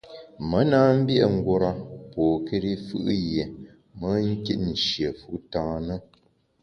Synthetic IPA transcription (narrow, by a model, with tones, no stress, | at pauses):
mə˨˦naː˦m̩˦bjʔŋ̩˦ɡwo˦ɾa˦poː˨ke˦ɾi˦fɯ̰˦ʔje˨ | mə˨˦ŋ̩˦ki˦ʔ̚n̩˨ʃjə˨fu˦tãː˦nə˦